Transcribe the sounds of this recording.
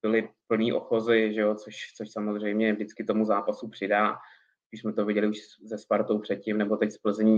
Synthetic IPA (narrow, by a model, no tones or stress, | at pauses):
bɪlɪpl̩niːʔo̰xo̞zɪʒɛot͡soʃt͡soʃsamozr̝ɛjmɲɛvdɪt͡skɪt̪o̞muzaːpasupr̝̥ɪdaː | piːʃsmɛt̪o̞vɪɟɛlɪuʃzɛspaɾt̪owpr̝̥ɛt̪̚cɪmnɛbo̞t̪ɛcspl̩zɲiː